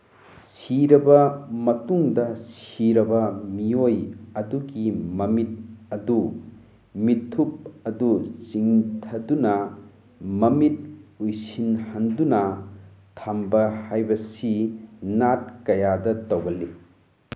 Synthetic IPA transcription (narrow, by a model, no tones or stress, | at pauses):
siɾɐbɐmɐtuŋdɐsiɾɐbɐmiojɐduɡimɐmit̚ɐdu | mitʰːup̚ɐdut͡ʃiŋtʰɐdunɐ | mɐmit̚ujsinhɐndunɐtʰambɐhajbɐsinat̚kɐjadɐtowɡɐlːi